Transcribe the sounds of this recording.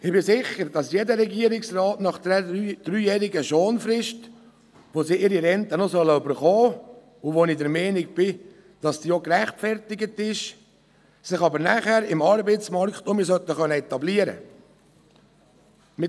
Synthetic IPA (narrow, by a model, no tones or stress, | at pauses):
ɪbɪsɪχəɾd̥ɑsjedəɾɛɡiəɾɪksrɑːtnɑχd̥ɛd̥ɾyːjɛːɾɪɡəʃoːnfɾɪʃt | ʋosiʔɪɾiɾɛnt̪ənosœlːəøbəɾχɔː | ʊʋonidɛɾmɛɪnɪk̚b̥ɪ | d̥ɑsdiːokræχtfɛɾtɪɡətɪʃ | sɪχɑbəɾnæχæɾɪmɑɾbəɪsmɑɾkχtʊmisœt̪əχœnːəɛt̪ɑbliəɾə̰ | mɪ